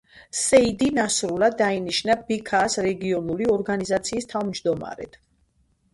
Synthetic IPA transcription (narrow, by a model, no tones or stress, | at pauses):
sɛid̪inasɾulad̪ːainiʃnabikʰaːsɾɛɡiɔnuliɔɾɡanizat̪sʰiːst̪ʰavmd͡ʒd̪ɔma̰ɾɛ̰t̪ʰ